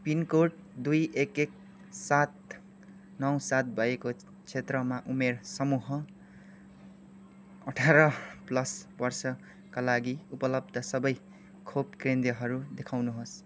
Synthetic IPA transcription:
pinkoʈd̪ujekek̚ | sat̪ | nʌwsat̪̚bʱʌjeko | t͡sʰet̪rʌmaʔumersʌmuɦʌ | ʌʈʰaɾʌplʌsbʌrsʌ | kalaɡiupʌlʌb̚d̪ʱʌsʌbʌj | kʰob̚krend̪jʌɦʌɾud̪ekʰawnuɦos

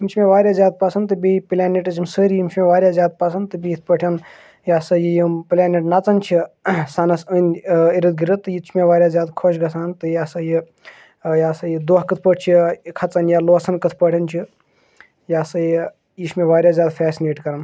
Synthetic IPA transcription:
imt͡ʃʰimeʋaːɾʲjaːzʲaːd̪̚pɐsɐnt̪ɨbʲiplʲaːneʈɐt͡ʃʰimsəːɾijimt͡ʃʰmeʋaːɾʲjaːzʲjaːd̪̚pɐsʰɐnt̪ɨbijit̪̚ʰpəʈʰʲɐn | jaːsɐjijipilʲaːneʈnɐt͡sɐnt͡ʃʰisanɐsəniɾɨd̪̚ɡiɾət̪ɨjit͡ʃʰmeʋaːɾʲjaːzʲaːd̪kʰoʃɡɐsaːnt̪ɨjaːsɐji | jaːsɐjid̪oːɦkɨt̪ʰpəʈ̚ʰt͡ʃʰikʰɐt͡sɐnjaːloːsɐnkɨt̪ʰpəʈʰʲɐnt͡ʃʰi | jaːsɐji | jiʃmeʋaːɾʲjaːzʲjaːd̪fɛːsineːʈkɐɾɐn

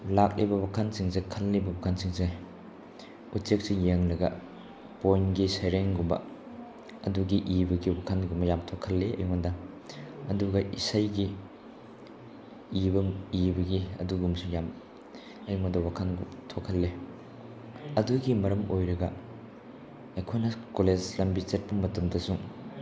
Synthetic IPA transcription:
lak̚libɐwakʰansiŋsekʰɐlːibɐwakʰansiŋse | utsek̚sijeŋlɐɡɐ | pojnɡisɐjɾeŋɡumbɐ̰ | ɐduɡiʔibɐɡiwakʰanɡumɐjamtʰokʰːɐlːeɐ̰jmɐdɐ | ɐduɡɐʔisajɡi | bɐibɐɡiɐ̰duɡumsuŋjam | ɐjŋɐdɐwakʰanɡutʰokʰːɐlːe | ɐduɡimɐɾɐmojɾɐɡɐ | ekʰojnɐkoled͡ʒlɐmbit͡ʃet̚pɐmɐtumdɐsuŋ

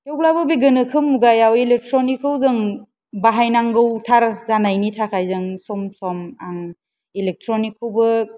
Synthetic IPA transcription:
kewɡlabɯbiɡɯnɯkʰɯmuɡajawelek̚tʰɾɔnikʰːɯwzɯŋ | baɦajnaŋɡɯwtʰaɾzanajnitʰakʰajzɯŋsɔmsɔmaŋ | ilek̚tʰɾɔnikʰːɯwbɯ

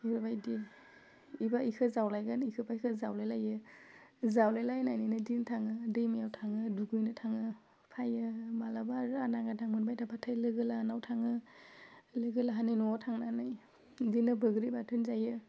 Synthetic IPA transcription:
eɾbajdi | ibaikʰɯzawlajɡanikʰɯpʰajkʰɯzawlajlajɯ | zawlajlajnajninɯdintʰaŋɯdɯjmijawtʰaŋɯduɡujnɯtʰaŋɯ | pʰajɯmalabaɾɯanaŋɡatʰaŋmɯnbajtʰapʰatʰajlɯɡɯlanawtʰaŋɯ | lɯɡɯlaɦanenɔɔtʰaŋnanɯj | dinɯbʱɯɡɾibatʰɯnzajɯ

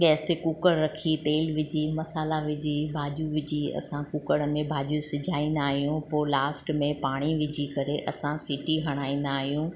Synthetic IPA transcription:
ɠɛːst̪ekukəɽɾɐkʰit̪eːlʋɪd͡ʑʱimɐsaːlaʋɪd͡ʑibʱaːʄuʋɪd͡ʑʱiɐ̰sãkukəɽmẽbʱaːʄusɪd͡ʑʱaːĩnd̪aːɦijũpoːlaːsʈmẽpaːɽ̃iʋɪd͡ʑʱikɐɾeʔɐsãsɪʈiɦɐɽ̃aːĩːn̆d̪aːɦijũ

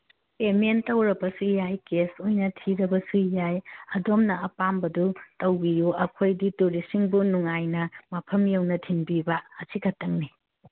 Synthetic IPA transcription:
ementɐwɾɐbɐsujajkesojnɐtʰiɾɐbɐsujajɐdomnɐɐpambɐdutɐwbijuɐkʰojdituɾisiŋbunuŋajnɐmɐpʰɐmjewnɐtʰinbibɐːsikʰɐtːɐŋ̚ni

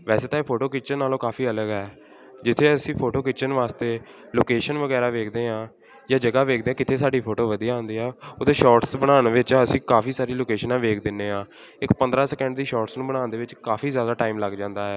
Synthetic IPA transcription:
ʋɛːseːt̪ãːpʰoːʈoːkɪt͡ʃənːaːlõːkaːfʰiːələɡɦɛː | d͡ʒɪt̪ʰːeːəsĩːpʰoːʈoːkɪt͡ʃənʋaːst̪eː | loːkeːʃənʋəɡɛːɾaːʋeːkʰd̪eːɦãː | jaːd͡ʒəɡaːʋeːk̚ʰd̪eːãːkɪt̪ʰeːsaːɖiːpʰoːʈoːʋəd̪ijaãːnd̪iːɦɛːot̪ẽːʃɔːʈsbənaːnʋɪt͡ʃəsĩːkaːfʰiːsaːɾiːloːkeːʃənãːʋeːkʰd̪ɪnːeːɦãː | ɪkpənd̪ɾaːsɛkɛ̃ɳɖd̪iːʃɔːɾʈsnũːbənãːnd̪eːʋɪt͡ʃkaːfʰiːzjaːd̪aːʈaːimləɡd͡ʒãːnd̪aːɦɛː

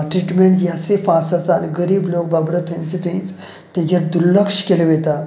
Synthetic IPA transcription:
ʈɾiʈmeɳʈjasefasasaniɡəɾiːblok̚babɽət̪ʰẽt͡set̪ĩt͡s | t̪jãd͡ʑaɾd̪uɾləkʂkeleʋet̪a

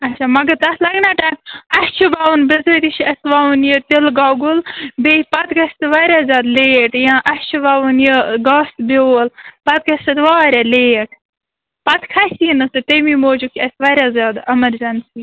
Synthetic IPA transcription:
ɐt͡ʃʰaːmɐɡɐt̪ɐslɐɡnaːʈaːjmɐst͡ʃʰubaːʋunbɪzɐt̪iʃʰɐsʋaːʋunjət̪elɡaːɡulbeːpɐt̪kɐsʲt̪ʋaːɾʲaːzʲjaːd̪leːeʈjãːʔɐst͡ʃʰubaːʋunjəɡaːst̪belpɐt̪̚kɐsʲt̪ɐt̪ʋaːɾʲaleːeʈʰ | pɐt̪kʰɐsinɨsɨt̪emiːmoːd͡ʒukɐsʋaːɾʲaːzʲjaːd̪ɐmɐɾzɐnsi

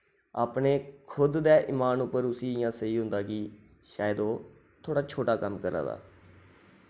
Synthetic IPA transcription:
aːpɳeːkʰʊd̪d̪ɛːʔiːmaːnʊpːəɾʊsiːɪjãːsəiːɦʊ̃nd̪aːkɪ | ʃaːjd̪oː | t̪ʰoːɽaːt͡ʃʰoːʈaːkəmkəɾa̰ːd̪a̰ː

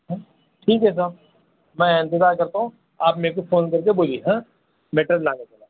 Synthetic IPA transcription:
ɦɛ̃ | ʈʰiːkɦɛs̬aːb | mɛ̃ɪ̃nt̪ɪzaːɾkɐɾt̪aɦũ | aːpmeːɾek̬ufʰoːnkɐɾkeboːliɦɛ̃ː | meːʈɾəllaːnekeːlaː

